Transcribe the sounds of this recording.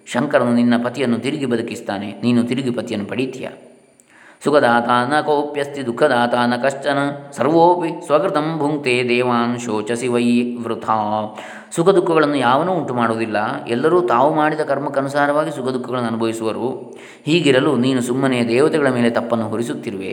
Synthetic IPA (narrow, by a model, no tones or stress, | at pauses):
ʃɐŋkɐɾɐnːuninːɐpɐt̪ijɐnːut̪iɾiɡibɐd̪ʱɐkist̪aːneniːnut̪iɾiɡipɐt̪jɐnːupɐɽit̪jɐ̰ | sukʰɐd̪aːt̪ʰaːnɐkoːpjɐst̪id̪ukʰːɐd̪aːt̪ʰaːnɐkɐʂt͡ʃɐnɐsɐɾʋoːpisʋɐkɾit̪ɐmbʱuŋt̪eːd̪ɛːʋaːnʃoːt͡ʃɐsiʋɐjʋɾut̪ʰaː | sukɐd̪ukʰːɐɡɐɭɐnːujaːʋɐnuːɳʈumaːɽoːd̪ilːɐɛlːɐɾuːt̪aːʋumaːɽid̪ɐkɐɾmɐkːɐnusaːɾɐʋaːɡisukʰɐd̪ukʰːɐɡɐɭɐnːuɐnubʱɐʋisuʋɐɾu | hiːɡiɾɐluniːnusumːɐnejɐd̪ɛːʋɐt̪ɛɡɐɭɐmeːlet̪ɐpːɐnːuɦoɾisut̪ːiɾʋḛ